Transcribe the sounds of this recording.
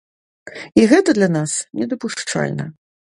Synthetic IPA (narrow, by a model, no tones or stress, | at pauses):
iɣɛt̪ɐd̪lʲɐnasnʲɛd̪ɐpuʂt͡ʂa̰lʲnɐ̰